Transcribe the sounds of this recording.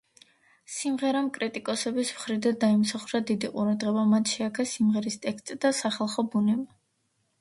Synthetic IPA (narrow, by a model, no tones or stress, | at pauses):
simʁɛɾamkʼɾit̪ʼikʼɔsɛbismχɾid̪ad̪aimsaχuɾad̪id̪iqʼṵɾad̪ʁɛbamat̪ʰʃɛakʰasimʁɛɾist̪ʼɛkst̪ʼd̪̥asaχalˠχɔbunɛba